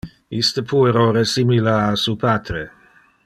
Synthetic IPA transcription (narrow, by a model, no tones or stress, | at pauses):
ist̪əpʰueɾoresimilaːsupaːt̪ɾe